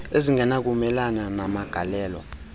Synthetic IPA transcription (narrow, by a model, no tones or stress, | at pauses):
eziŋɡʱɛnak̬umɛlananamaɡ̥ʱa̰lɛːlɔ̰